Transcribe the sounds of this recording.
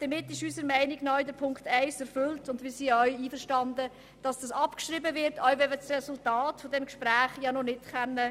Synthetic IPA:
d̥əmɪtːɪʃysəɾmɛɪniɡnɔʏdəɾpʰʊŋktæɪsɛɾfʏltʊndʋiːsiːœɥiːfəʃtɑndə | d̥ɑsd̥ɑsɑpkʃɾibəvɪɾtœʏvɛət͡srɛsʊltɑːtfɔdɛmkʃpɾæːχjɑnɔnɪtkʰɛnːə

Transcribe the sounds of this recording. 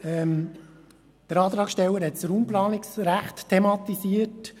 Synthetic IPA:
ɛm | d̪̥əɾɑːt̪ɾɑːksʃtɛwːəɾɦɛtt͡sɾuːmplɑːnɪksɾæχttʰːemɑt̪isiət

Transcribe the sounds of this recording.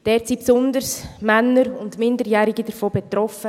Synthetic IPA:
d̥ɛːɾtsipsʊndəsmænːəɾʊndmɪndəɾjæːɾiɡid̥əɾfoːbɛt̪ɾɔfə

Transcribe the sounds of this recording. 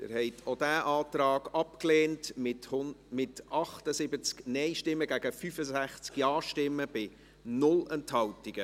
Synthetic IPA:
dɪ̰ːɾhɛɪt̪ʰod̥æːʔɑːtɾɑːɡ̥ɑpkleːntmɪthmɪtɑχtəsɪbət͡sknɛɪʃtɪmːəɡæɡ̥əfyfəzæχt͡skjɑːʃtɪmːəb̥ɪ | nʊlɛnthɑltiɡ̥ə

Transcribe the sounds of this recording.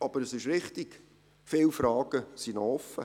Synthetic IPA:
ɑb̥əɾəsɪʃɾɪχtiɡ̥ | fɪlfɾɑːɡ̥əsinɔɔfə

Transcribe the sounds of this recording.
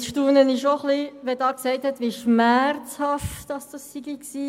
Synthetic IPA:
sʃtuːnənɪʃoχliʋɛdɑːksɛɪthɛtʋiʃmæɾt͡shɑftd̥ɑsd̥ɑsːiɡiksiː

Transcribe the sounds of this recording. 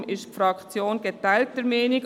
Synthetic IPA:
mɪʃtfɾɑkt͡sjoːnɡ̥etaæɪlt̚əɾmeːnɪk

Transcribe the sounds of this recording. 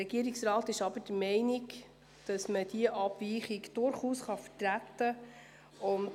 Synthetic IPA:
ɛɡ̥iəɾiksɾɑːt̪ɪʃɑbəd̥əmɛɪniɡ | d̥ɑsməd̥iəʔɑb̥viːχiɡd̥ʊɾχuːsχɑfətɾæt̪ːə | ʊn

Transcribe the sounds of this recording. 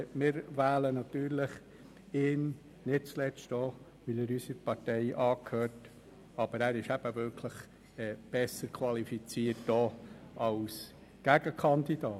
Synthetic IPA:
mɪːɾvæːlənɑt̪yːɾlɪχ | ɪn | nɪt̚t͡slɛt͡sto | ʋɪləɾysəpɑrtɛɪʔɑːkʰhøːt | ɑb̥əɾæːɾɪʃæb̥əvɪɾkʰləχ | ɛb̥ɛsːəɾkʰvɑlifit͡siːəɾtːoɑʊs | ɡ̥æɡ̥əkʰɑnd̪id̥ɑː

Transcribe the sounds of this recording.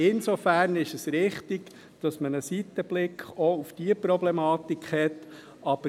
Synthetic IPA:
ɪnsofæɾnɪʃəsɾɪχtiɡ | d̥ɑsmənəsitəb̥lɪkχɔufd̥iːəpɾɔblɛmɑːtikχhɛt | ʔɑb̥ə

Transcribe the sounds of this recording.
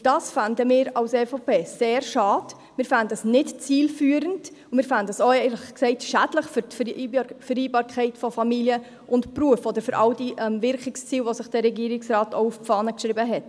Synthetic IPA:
d̥ɑːsfandəmɪːɾɑlsɛːfopʰeːseːɾʃɑːd̥ | mɪːɾfandəəsnɪtt͡siːlfyːəɾənd | ʊmɪːɾfændəsoɛɪləχksɛɪtʃædləχfʏɾtffəɾiːbɑːɾkʰχɛɪtfɔfɑmiljə | ʔʊntpruəfɔd̪əɾfʏɾʔɑʊdiʔɛmvɪɾkɪkst͡siːlʋosɪχd̥ɛɾɛɡiəɾɪksrɑːtoʊufpp͡fɑːnəkʃɾɪbəɦɛt

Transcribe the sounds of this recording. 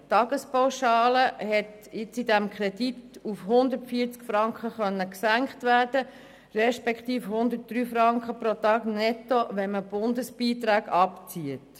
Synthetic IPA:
tɑɡəspaʊʃɑːləɦɛt | ɪt͡sidɛmkχɾɛditufhʊnd̪ətfiət͡skfɾɑŋkχəχœnːəksæŋkχtʋæːɾd̥ə | rɛʃpɛkχtiːfhʊnd̪ət̚d̥ɾyːfɾɑŋkχəpɾotɑːɡnɛtːoʋɛnməb̥ʊndəsb̥iːt̪ɾæːɡɑpt͡siət

